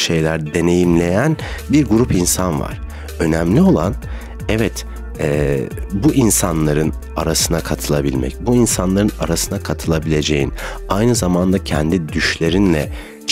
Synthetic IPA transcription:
ʃe̞jlʲæɾd̪e̞ne̞jimlʲe̞jænbiɾɡuɾupinsanva̰ɾ̥ | ø̞næmlʲio̞lˠan | ɛvɛt̪ | ɛbuʔinsanlˠaɾɯn | aɾasɯnakʰat̪ʰɯlˠabilʲmɛ̰cbuinsanlˠaɾɯna̰ɾasɯnakʰat̪ʰɯlˠabilʲe̞d͡ʒe̞̰jin | ajnɯzamand̪acʰɛnd̪id̪yʃlʲe̞ɾinlʲɛ

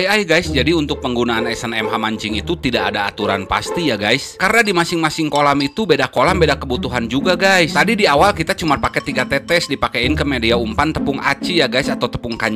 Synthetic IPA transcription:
jajɡajsd͡ʒadiunt̪ʊk̚pəŋɡunaːnɛsɛnɛmɦamaɲt͡ʃɪŋit̪ut̪idaʔadaːt̪uɾanpa̰st̪ijaɡajskarnadimasɪŋmasɪŋkolamit̪ubedakolambedakəbut̪uɦand͡ʒuɡaɡajst̪adidiawalkit̪at͡ʃumarpakɛt̪iɡat̪ɛt̪ɛsdipakɛɪnkəmɛdiaumpant̪əpʊŋa̰t͡ʃijaɡajsat̪awt̪ə̥pʊŋkaɲ

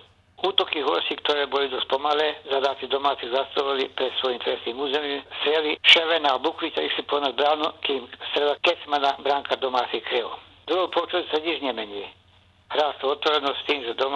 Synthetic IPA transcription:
uːt̪ɔkiɦɔɾsikt̪ɔɾɛːbɔlid̪ɔst̪̚pɔmalɛːzad̪aːt͡sid̪ɔmaːt͡siɣzast̪ɔlɛlḭpɾɛt̪sʋɔjimt̪ɾɛsniːmuːzɛmiːmst̪ɾɪɛliʃɛʋɛnabukʋitaixsipɔnazbɾaːnukiːmst̪ɾɛd̪akɛsmanabɾaŋkad̪ɔmaːt͡sixkɾil | d̪ɾuɦɔwpɔut͡ʃɔtsaɲiʒɲɛmɛɲiː | ɾaːst̪uɔt̪ʋɔɾɛnɔsst̪iːmʒɛd̪ɔm

